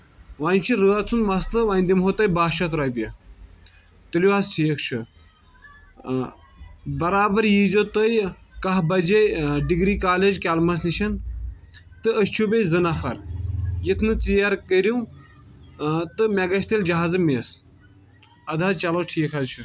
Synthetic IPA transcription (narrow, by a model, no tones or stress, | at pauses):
ʋaːnʲt͡ʃʰiɾəːɐt͡sʰunmast̪ɨʋaːnʲd̪imɦot̪ɐjbaːʃɐt̪ɾaːjpʲɐ | t̪ɨluasʈʰijəkʰt͡ʃʰɨ | bɐɾaːbɐɾjiːzot̪ojkɐɦbɐd͡ʒeɖiɡɾiːkaːleːd͡ʒkʲaːlmɐs̬niʃɐn | t̪ɨɐst͡ʃʰubʲejzɨnɐfɐɾjit̪ʰnɨt͡sijɐɾkəɾuw | t̪ɨmʲɛɡɐsʲt̪eld͡ʒɐɦaːzɨmes | ɐd̪ʱaːt͡ʃɐloːʈʰiːkʰɐzt͡ʃʰɨ